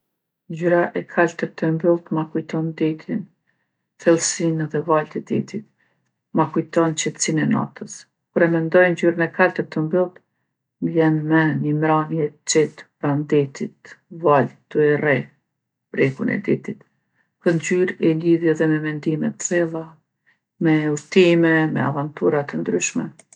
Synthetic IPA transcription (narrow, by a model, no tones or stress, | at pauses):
nd͡ʑyɾaʔɛkʰalt̪əɾt̪ʰəmbilˠt̪makujt̪ɔnd̪ɛt̪ʰin | θɛlˠsinðɛvalt̪ɛd̪ɛt̪it̪̚ | makujt̪ɔnt͡ɕɛt̪əsinɛna̰t̪əs | kuɾɛmɛnd̪ɔjnd͡ʑyɾənɛkalt̪əɾt̪ːəmbilˠt̪ | mbjɛnmɛnimɾanjɛt͡ʃɛt̪bɾand̪ɛt̪it̪valt̪uɛrɛ | bɾɛkunɛ̰d̪it̪it̪ | pəɾnd͡ʑyɾɛliðjɛðɛmɛmɛnd̪imɛt̪əsɛlˠa | mɛuɾt̪imɛmɛ̰a̰vant̪uɾat̪ənd̪ɾyʃmɛ